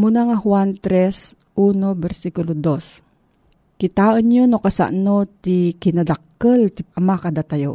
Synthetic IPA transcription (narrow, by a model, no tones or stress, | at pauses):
munaŋahwant̪ɾɛs | ʔunobɛɾsikulod̪os | kɪt̪aːʔənjonokasa̰ʔnot̪ikɪnad̪akːəlt̪iʔɐmakad̪at̪ajo